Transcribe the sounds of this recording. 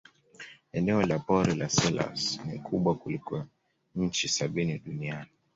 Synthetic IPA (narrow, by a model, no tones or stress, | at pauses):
ɛnɛɔlapɔɾilasɛla̰snikʰuɓwakulikɔ | ɲ̩t͡ʃisaɓiniɗuniani